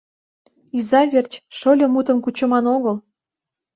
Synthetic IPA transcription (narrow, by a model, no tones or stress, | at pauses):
izɑβʲert͡ɕʃolʲɤ̆mut̪ə̆mkut͡ɕə̆mɑnoɣəl